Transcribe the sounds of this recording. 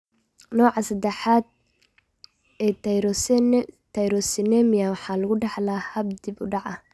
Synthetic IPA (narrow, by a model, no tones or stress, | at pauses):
nɔːʕɑsɐd̪ɛħaːd̪̚ | ɛː | t̪ʰɐjɾɔsɪnɛmɪjawɑħɑːlʊɣʊɖɛħlaːhɐb̚d̪ibʊɖɑʕɐ